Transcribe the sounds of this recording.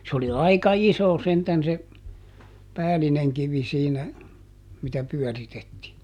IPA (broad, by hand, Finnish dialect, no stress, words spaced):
se oli ɑikɑ iso sentæn se pæːlineŋ kiʋi siːnæ mitæ pyœˑritetːiː